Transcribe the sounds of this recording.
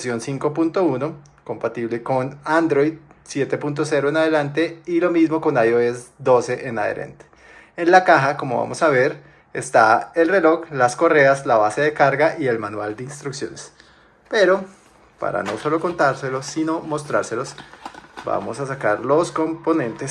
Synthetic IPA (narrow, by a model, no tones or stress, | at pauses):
sjo̞nsiŋko̞punt̪o̞uno̞ | ko̞mpat̪iβle̞ko̞nand̪ɾo̞jd̪ | sje̞t̪e̞punt̪̬o̞se̞ɾoenaðe̞lant̪e̞ilo̞mizmo̞ko̞najoesd̪o̞se̞ʔenaðḛɾʔḛnt̪e̥ | enlakaxako̞mo̞βa̰mo̞saβe̞ɾ | est̪ae̞lre̞lo̞ɣlasko̞re̞aslaβase̞ðe̞kaɾɡaʔie̞lmanwald̪einst̪ɾuksjo̞̰nes | pe̞ɾo̞ | pa̰ɾa̰no̞so̞lo̞ko̞nt̪aɾse̞losino̞mo̞st̪ɾaɾse̞lo̞sba̰mo̞̰sasakaɾlo̞sko̞mpo̞nẽ̞nt̪es